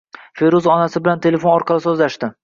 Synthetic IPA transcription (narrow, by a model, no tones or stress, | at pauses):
fe̞ɾuzɒnasɪbɪlant̪ʰe̞le̞fo̞nɒɾqʰɑlɪsɵzlaʃt̪ɪ